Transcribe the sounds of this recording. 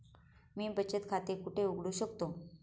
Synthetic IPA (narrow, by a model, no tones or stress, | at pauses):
miːbət͡ɕət̪kʰat̪ekuʈʰeuɡɽuɕəkt̪o